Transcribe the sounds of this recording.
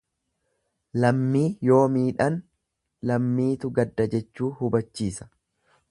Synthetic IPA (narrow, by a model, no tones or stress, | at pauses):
lɐmːiːjo̞ːmiːᶑɐn | lɐmːiːt̪ʊɡɐd̪ːɐd͡ʒɛt͡ʃːuːhʊbɐt͡ʃːiːsɐ̥